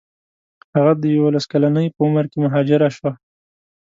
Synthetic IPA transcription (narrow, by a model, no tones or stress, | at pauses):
haɣad̪əjawolaskalanəjpəʊməɾkemʊɦɑd͡ʒɪɾaʃwa